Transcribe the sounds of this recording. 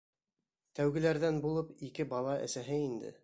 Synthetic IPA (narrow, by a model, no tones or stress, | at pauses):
t̪æwɡɘ̆læɾðænbulˠɤpikɘbɑlˠɑʔɘ̰̆sæɦɘind̪ɘ̰